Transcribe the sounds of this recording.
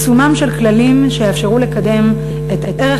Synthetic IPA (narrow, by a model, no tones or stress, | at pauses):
sumamʃe̞lklalimʃejafʃeʁule̞kade̞m | etetʔeʁe